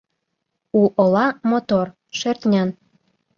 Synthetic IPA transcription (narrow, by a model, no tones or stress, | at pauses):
uʔolɑmot̪or | ʃert̪ʲnʲɑn